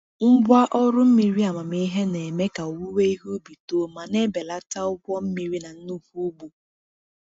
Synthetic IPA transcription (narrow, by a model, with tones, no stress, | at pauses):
m̩˦bʷa˦ʔɔ˦ɾʊ˦m̩˦mi˨ɾi˦a˨ma˨mi˦i˦ɦe˦ne˨me˦ka˨o˨wu˦we˦i˦ɦo˦bi˨to˦˨ma˨ne˦be˨la˦ta˦ʊ˦ɡʷɔ˦m̩˦mi˨ɾi˦na˨n̩˦nu˦fu˦bu˨